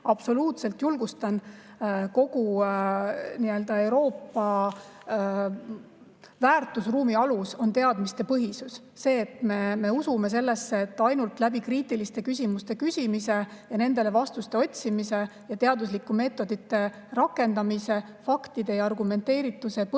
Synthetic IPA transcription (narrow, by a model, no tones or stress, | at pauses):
ɑb̥so̞luːt̪se̞lt̪julɡ̥ust̪ɑn | ko̞ɡ̥u | niø̞ld̪̥ɑe̞wɾo̞ːpːɑ | væːrt̪ːˑusruːmiɑluso̞nt̪e̞ɑd̪mist̪e̞pɤɦisusːe̞ːt̪me̞me̞usume̞s̬e̞lːe̞sːeːt̪ːˑɑjnult̪ˑlæbikriːt̪ːˑilist̪e̞kysʲimust̪e̞kysʲimise̞jɑne̞nd̪e̞le̞vɑst̪ust̪e̞o̞t̪ʲsimise̞jɑt̪e̞ɑd̪uslikːume̞ːt̪ːˑo̞d̪̥it̪ːe̞ | rɑkːˑe̞nd̪ɑmise̞fɑkt̪id̪̥e̞jɑɑrɡume̞nt̪ːˑe̞ːɾit̪ːˑuse̞p